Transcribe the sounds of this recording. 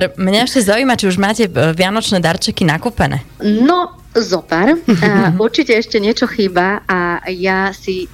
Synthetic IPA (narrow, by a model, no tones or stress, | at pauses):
ɾmɲɛɛʃcɛzaujmat͡ʃiuʒmaːcɛʋɪanɔt͡ʃnɛːd̪aɾt͡ʃɛkinakuːpɛnɛ̰nɔ | zɔpɛɾuɾt͡ʃicɛɛʃcɛɲɪɛt͡ʃɔxibaajasi